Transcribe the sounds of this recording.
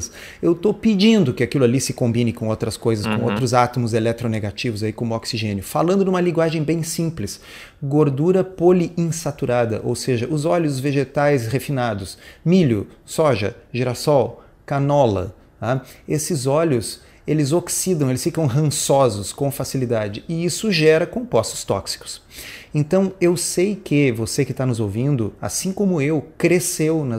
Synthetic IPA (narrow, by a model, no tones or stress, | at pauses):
sewt̪opid͡ʒĩnd̪ʊkɪakilʊalisɪkõmbĩnɪkõowt̪ɾɐskojzɐskõo̰wt̪ɾʊzat̪omʊzelɛk̚t̪ɾoneɡat͡ʃivʊzaikõmʊɔksiʒẽnjʊfalɐ̃nd̪ʊd̪ũmɐlĩɡwaʒẽj̃bẽj̃sĩplɪs | ɡoɾd̪uɾɐpoliĩsat̪uɾad̪ɐ̰ʔo̰wseʒɐʔʊzɔʎʊzveʒet̪ajshefinad̪ʊsmiʎʊsɔʒɐ̰ʒiɾasɔw | kanɔlɐ̰ | aesɪzɔʎʊs | elɪzoksid̪ɐ̃elɪsfikɐ̃w̃ɦɐ̃sɔzʊskõfasilid̪ad͡ʒɪɪisʊʒɛɾɐkõpɔsʊ̥st̪ɔ̰ksi̥kʊ̥s | ẽnt̪ɐ̃w̃ewsejkɪvosekɪt̪anʊzowvĩnd̪ʊa̰sĩkõmʊewkɾesewnɐ